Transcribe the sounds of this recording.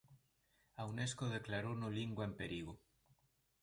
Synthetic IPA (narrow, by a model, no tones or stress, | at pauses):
awneskoð̞eklaɾonoliŋɡwaempeɾiɣu